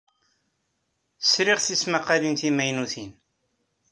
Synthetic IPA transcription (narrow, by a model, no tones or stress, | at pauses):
sɾɪʁθismaqːalinθimæjnuθin